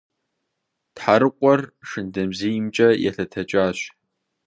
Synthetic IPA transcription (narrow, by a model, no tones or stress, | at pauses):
tħaɾɨqʷʼɔrʂɨndɐmzijimt͡ʃʼɐjɛ̰ɬɐtʰɐt͡ʃʼaːɕʷ